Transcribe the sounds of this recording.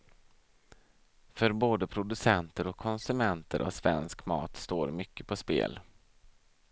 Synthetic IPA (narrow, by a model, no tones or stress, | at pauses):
fœɾboːd̪əpʰɾʊd̪ɵsɛnt̪əɾɔkʰːɔnsɵmɛnt̪ʰəɾʔɔ̰svɛ̰nskmɑ̰ːt̪st̪oːɾmʏkːəpʰɔspḛːl